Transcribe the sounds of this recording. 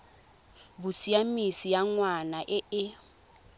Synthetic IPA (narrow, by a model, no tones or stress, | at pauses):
bʊsiamisijaŋwanaʔɪɪ